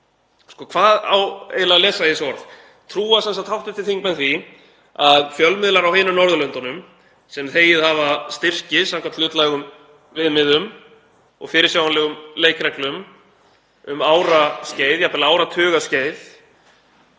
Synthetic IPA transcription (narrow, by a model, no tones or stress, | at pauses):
skɔːkʰv̥aːða̰wḛːjlalɛːsaðɪsɔɾð | t̪ʰɾuːasɛnsat̪hawht̪ɪt̪ʰɪlθiŋkmɛnθvi | aðfjœlmɪðlaɾawheːjnʏnɔɾðʏlœnt̪anʏm | sɛmθeːjɪðhavast̪ɪr̥cɪsawŋkʰvat̪lʏːt̪lajɣʏm | vɪðmɪðʏm | ɔ̰ɣfɪːɾɪɾ̥sjaːwanlɛɣʏmleːjkɾɛhklʏm | ʏmaːwɾasceːjðjapɪlaaːwɾat̪ʰʏːɣasceːjð